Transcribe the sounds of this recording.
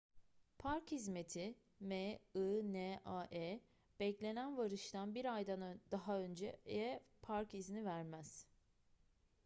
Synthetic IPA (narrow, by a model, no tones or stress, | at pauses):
pʰaɾkhizme̞t̪ʰi | meɯnɛʔaʔɛː | b̥ɛclʲe̞nænvaɾɯʃt̪ʰanbiɾajd̪and̪aɦaønd͡ʒɛjɛpʰaɾkiznivæɾmæz̥